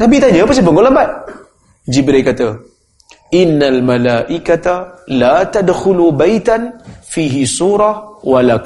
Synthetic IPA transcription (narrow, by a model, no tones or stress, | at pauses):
nabit̪aɲəpasabəŋɡoləbat̪̚ | d͡ʒibɾajkat̪ə | ʔɪnːalmalaːʔikat̪alat̪adxʊlubajt̪anfiːɦisuːɾɑhwalak